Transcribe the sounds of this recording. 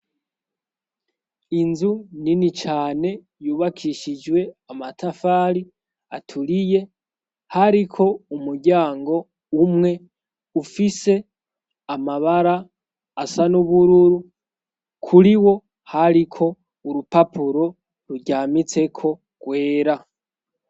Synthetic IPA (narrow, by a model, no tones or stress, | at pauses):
inzuninit͡ʃaːne̞ | juːβakʰiʃid͡ʒwe̞amatʰafaːɾi | a̰tʰuɾije̞ | haɾikʰo̞umuɾɟaːŋɡo̞ | umŋe̞ | ufise̞ | amaβaɾaː | sanuβuɾuɾu | kʰuɾiwo̞ | haɾikʰo̞ | uɾupapʰuɾo̞ | ɾuɟaːmit͡se̞kʰo̞ | ɡ̥we̞ːɾa